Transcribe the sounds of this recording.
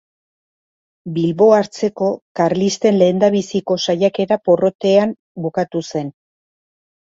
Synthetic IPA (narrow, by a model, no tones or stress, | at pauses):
bilβo̞aɾt͡se̞ko̞kaɾlist̪e̞nle̞ːnd̪aβ̞isiko̞sajake̞ɾapo̞ro̞t̪e̞am | bukat̪use̞n